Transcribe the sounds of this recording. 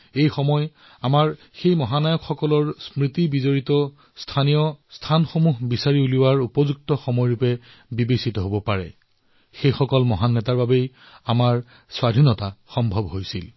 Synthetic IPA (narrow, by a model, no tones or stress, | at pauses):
ejxɔmɔj | amaɹ | xejmɔɦanajɔkxɔkɔlɔɹsmɹitibizoɹitɔ | stʰanijɔstʰanxomuɦbisaɹiuliwaɹupɔzuk̚tɔxɔmɔjɹupɛ | bibesitɔɦobɔpaɹɛ̰ | xejxɔkɔlmɔɦanːɛtaɹbabej | amaɹ | swadʱinɔtaxɔmbʱɔbɦojsil